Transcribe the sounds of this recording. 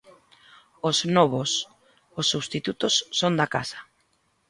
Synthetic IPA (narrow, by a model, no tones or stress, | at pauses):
oznɔβos | osːuβst̪it̪ut̪ʊsːond̪akasɐ̥